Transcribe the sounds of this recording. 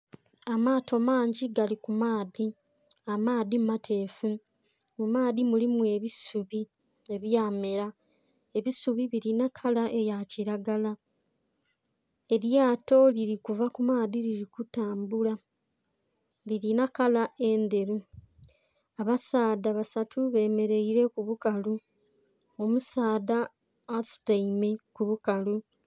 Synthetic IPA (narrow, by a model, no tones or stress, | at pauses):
amaːtʰomaːɲɟiɡalikumaːði | amaːðimatʰe̞ːfu | mumaːðimulimue̞βisuβi | e̞βjaːme̞ɾa | e̞βisuβiβiɾinakʰalaʔe̞jaciɾaɡala | e̞ɾjaːto̞liɾikuvakumaːdiɾiɾikutaːmbula | liɾinakalae̞nd̪e̞ɾu | aβasaːdaβasatʰuβe̞me̞ɾe̞iɾe̞kuβukalu | omusaːdaː | su̥taimekuβukalu